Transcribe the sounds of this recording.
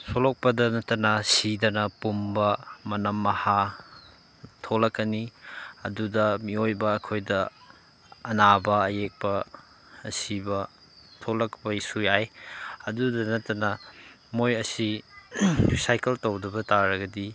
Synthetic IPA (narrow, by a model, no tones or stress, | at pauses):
solok̚pɐdɐnɐtːɐnɐsidɐnɐpumbɐmɐnɐmːɐha | tʰolɐkːɐniɐ̰dudɐmiojbɐːkʰojdɐ | ɐnabɐɐjek̚pɐː | sibɐ | tʰolɐkpɐisujajɐdudɐnɐtːɐnɐ | mojɐsi | sajkeltɐwdɐbɐtaɾɐɡɐdi